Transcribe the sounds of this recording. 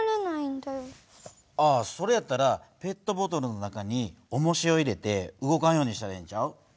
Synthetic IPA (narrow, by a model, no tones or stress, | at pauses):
ɾanaĩnd̪ajo | aso̞ɾe̞jat̪ːaɾape̞t̪ːo̞bo̞t̪o̞ɾɯ̟no̞nakaɲ̟io̞mo̞ɕio̞iɾe̞t̪e̞ɯɡo̞kañjoːɲ̟iɕi̥t̪aɾɦẽɲt͡ɕaɯ̟